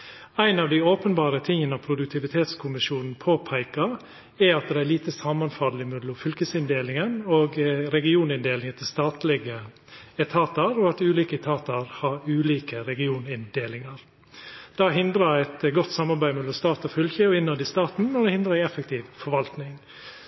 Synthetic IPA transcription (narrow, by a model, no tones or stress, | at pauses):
æɪnɑʋd̪æɪoːpənbɑːɾət̪ʰɪŋːənəɑʋpʰɾʊd̪ʉk̚t̪ʰɪʋɪt̪ʰeːt̪skʰʊmɪʃuːnn̩pʰoːpʰæɪkɑɾ | ɛɾɑt̪̚d̪ɛæɾliːt̪əsɑmɑnfɑd̪l̩ɪmʉd̪lɔfʏlkəsɪnd̪eːlɪŋənoːɡɾɛɡɪuːnɪnd̪eːlɪŋət̪ʰɪst̪ɑːt̪lɪɡə | ɛt̪ʰɑːt̪ɑɾɔɑt̪ʉːliːkəɛt̪ʰɑːt̪ɑɾhɑɾʉːliːkəɾɛɡɪuːnɪnd̪eːlɪŋɑɾ | d̪̥ɑːɦɪnd̪ɾɑɛɪt̪ɡɔt̪ːsɑmːɑɾbæɪmɛlɔmst̪ɑːt̪ɔfʏlçəɔɪnːɑd̪ɪst̪ɑːt̪n̩mɛnd̪ɛhɪnd̪ɾɑæɪɛfɛk̚t̪ʰiːʋfɔɾʋɑlt̪nɪŋ